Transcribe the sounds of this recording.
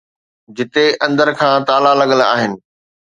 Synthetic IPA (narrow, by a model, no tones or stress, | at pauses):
d͡ʑɪt̪eɐ̃nd̪əɾkʰãːt̪aːlalɐɠəla̰ːɦɪnɪ̆